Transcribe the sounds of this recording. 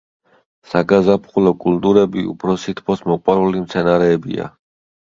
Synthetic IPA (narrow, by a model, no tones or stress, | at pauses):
saɡazapʰχulɔkʼult̪ʼuɾɛbiṵpʰɾɔsit̪ʰpʰɔsmɔqʼwaɾulimt̪sʰɛnaɾɛːbḭa̰